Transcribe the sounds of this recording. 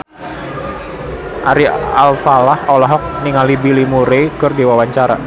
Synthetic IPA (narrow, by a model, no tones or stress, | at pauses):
ʔaɾia̰lfalahɔlɔɦɔk̚niŋalibilimuɾekərdewawaɲt͡ʃaɾa̰